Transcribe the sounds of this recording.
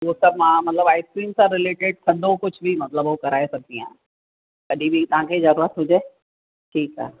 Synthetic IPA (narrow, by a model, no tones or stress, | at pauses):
ʋosɐb̚mãmɐt̪ləbaːɪskɾiːmsãɾɪleːʈɪɖ̚t̪ʰɐd̪okʊt͡ʃʰbʱimɐt̪ləbokɐɾaːesɐk̚d̪iã | kɐɗʱibʱit̪ɐɦãkʰezɐɾuːɾət̪ɦʊd͡ʒeː | ʈʰiːka̰ː